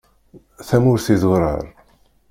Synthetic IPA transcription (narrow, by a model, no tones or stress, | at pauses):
θæmʊɾθizwɾˤə̰ɾˤ